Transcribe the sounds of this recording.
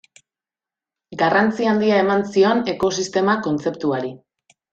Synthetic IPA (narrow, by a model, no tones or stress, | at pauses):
ɡarant͡siand̪iae̞mansio̞ne̞ko̞sist̪e̞mako̞nt͡se̞pt̪uaɾi